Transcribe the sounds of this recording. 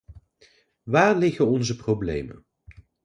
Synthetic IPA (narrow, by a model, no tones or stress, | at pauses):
ʋaːɹlɪχənɔnzəprowblḛjmə̰n